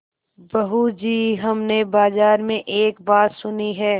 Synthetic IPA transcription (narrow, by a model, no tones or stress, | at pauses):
bɐɦud͡ʒiːɦɐmnebaːzaːɾmẽʔeːkbaːt̪sʊniɦɛː